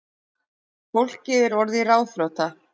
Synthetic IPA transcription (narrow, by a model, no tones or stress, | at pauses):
fowl̥cːɪðɪɾvɔɾðiraːwθɾowt̪a